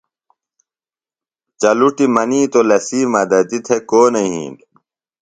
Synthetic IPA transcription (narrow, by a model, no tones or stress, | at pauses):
t͡ɕɐluʈimɐniːt̪olɐsiːmɐd̪ɐt̪it̪ʰekoːnɐɦḭ̃ːn